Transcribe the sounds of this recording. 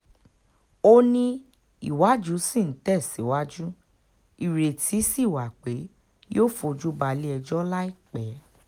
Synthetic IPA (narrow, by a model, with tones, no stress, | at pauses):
o˦nĩ˧ | i˨wa˨˦d͡ʒu˦sĩ˦˨n̩˨˦tɛ˦˨si˨˦wa˦d͡ʒu˦ | i˨ɾe˨tʰi˨˦si˦˨wa˨k͡pe˨˦ | joː˦˨fo˧d͡ʒu˦ba˧li˦ɛ˧d͡ʒɔ˦la˦i˦˨k͡pɛ˨˦